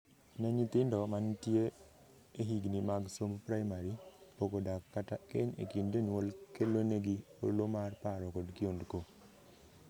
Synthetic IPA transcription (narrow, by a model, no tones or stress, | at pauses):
naɲit̪ɪndɔmantje | eɦiɡnimaɡsompɾaɪmaɾipokodakːatakeɲḛkindenwolkeloneɡio̰ɾlomarpaɾɔkɔdkɪondko